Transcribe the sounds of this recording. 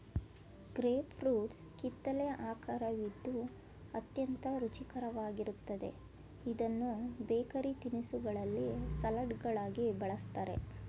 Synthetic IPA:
ɡɾeːpʰɾuːʈskit̪ːɐleʔaːkaɾɐʋid̪ːu | ɐt̪jɐnt̪ɐɾut͡ʃikɐɾɐʋaːɡiɾut̪ːɐd̪e̞̰ | id̪ɐnːubeːkɐɾit̪inisuɡɐɭɐlːisɐlɐɖɡɐɭaːɡibɐɭɐst̪aːɾe̞̰

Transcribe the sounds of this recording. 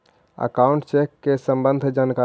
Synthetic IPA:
ə̰kauɳʈt͡ʃekːesəmbənd̪ʱd͡ʒanka

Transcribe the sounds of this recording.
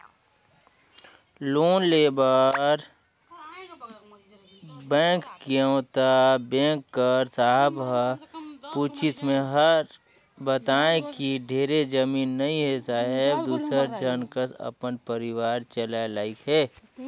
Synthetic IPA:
loːnleːbaːɾ | bɛ̃ːŋkkiə̃ːt̪abɛ̃ːkːəɾsaːɦb | puːt͡ʃɪsmẽɦəɾ | bət̪aːẽkiɖʱeːɾed͡ʒəmiːnːɐĩɦesaːɦɪbd̪uːsəɾd͡ʒənkəsə̰pənpəɾɪwaːɾt͡ʃəlalaːikɦɛː

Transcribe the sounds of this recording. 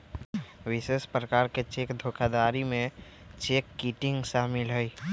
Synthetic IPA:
ʋɪseʃpɾəkaːɾket͡ʃeːkd̪ʱokʰad̪aːɾimẽ | t͡ʃeːkːiʈɪ̃ŋɡʃaːmɪlɦəi

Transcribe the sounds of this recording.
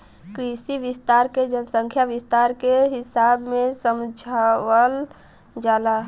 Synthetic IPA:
kɾisiʋist̪aɾked͡ʒənəsə̃ŋkʰjaʋɪst̪aɾkeɦɪsabmẽsəmd͡ʒʱawəl | d͡ʒaːla

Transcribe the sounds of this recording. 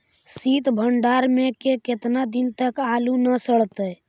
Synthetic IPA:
sit̪bʱəɳɖaɾmekeket̪nad̪int̪əkalunəsəɭt̪ɛ

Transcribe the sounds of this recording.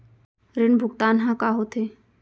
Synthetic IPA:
ɾɪnbʱʊɡt̪aːnɦãkaɦot̪ʰeː

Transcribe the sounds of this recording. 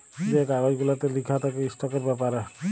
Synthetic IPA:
d͡ʒɛkaɡad͡ʒɡulat̪elikʰat̪ʰakeisʈakɔɾbapaɾa

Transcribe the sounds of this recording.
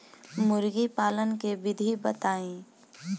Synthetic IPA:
mʊɾɡipaːlənkebɪd̪ʱibət̪aːĩː

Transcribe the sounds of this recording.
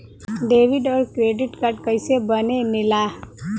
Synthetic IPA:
ɖeʋiɖɔːɾkɾeɖiʈkaɾʈ̚kəjsebənemila

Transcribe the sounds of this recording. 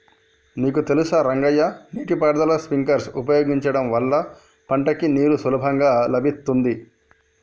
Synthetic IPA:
niːkut̪e̞lusɐɾɐŋɡɐjːɐniːʈipaːɾd̪ɐlɐspiŋkɐɾsupɐjoːɡiɲt͡ʃɐɽɐmʋɐlːɐ | pɐɳʈɐkiniːɾusulɐbʱɐŋɡaːlɐbʱit̪ːund̪i

